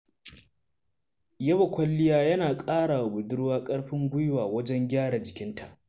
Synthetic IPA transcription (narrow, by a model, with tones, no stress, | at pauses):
jɐ˦wɐ˨kʷɐ˦lːɪ˦jaː˦jɐ˦naː˨kʼaː˦ɽa˨bʊ˨dʊ˦ɽwaː˦kʼɐ˦ɽɸɪ˦ŋɡʷʊ˦jwaː˨wɐ˦d͡ʒɛ˦ŋɡʲaː˦ɽa˨d͡ʒɪ˨kʲɪ˦ntʰa̰˨ʔ